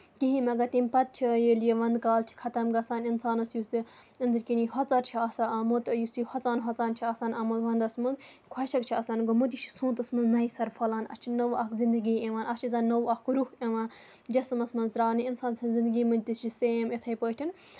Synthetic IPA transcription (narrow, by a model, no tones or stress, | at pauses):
kiɦimɐɡɐt̪imʲpɐt̪̚t͡ʃʰijiljeʋɐnd̪kaːlt͡ʃʰi̥kʰɐt̪ɐmɡɐsaːninsaːnɐsjut͡si | ɐnd̪ɨɾʲkiniɦɔt͡sɐɾt͡ʃʰiɐːsaɐmut̪jusihɔt͡saːnɦɔt͡saːnt͡ʃʰiɐsaːnɐmozʋɐnd̪ɐsmɐnz | kʰɐʃɐkt͡ʃʰiɐsaːnɡomut̪it͡ʃʰi̥sõːt̪ɐsmɐnznɐisɐɾfʰɐlaːnɐ̰st͡ʃʰinɐwɐkzind̪ɨɡiːeʋaːnɐst͡ʃʰizaːnːɐwɐkɾuheʋãː | d͡ʒɐsmɐsmɐnzɾaːniinsaːnsɐnzind̪ɨɡiːmɐnʲt̪ist͡ʃʰiseemet̪ʰɐjpəːʈʰin